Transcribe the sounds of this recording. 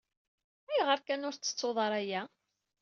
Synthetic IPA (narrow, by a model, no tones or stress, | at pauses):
æjʁəɾkænʊɾt͡sːə̥t͡sːoðˤɑɾˤæjæ